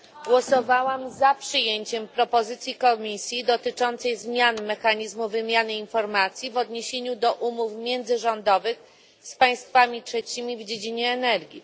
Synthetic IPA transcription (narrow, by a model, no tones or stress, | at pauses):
ɡwɔsɔvawamzapʂɘjeɲt͡ɕɛmpɾɔpɔzɘt̪sʲjikɔmʲisʲjid̪ɔt̪ɘt͡ʂɔnt̪sɛjzmʲjanmɛxaɲizmuvɘmʲjanɘinfɔɾmat̪sʲjivɔd̪ɲeɕeɲud̪ɔʔumufmʲjɛnd̪zɘʐɔnd̪ɔvɘx | spaj̃st̪famʲitʂɛt͡ɕimʲivd͡ʑed͡ʑiɲɛːnɛɾɡʲi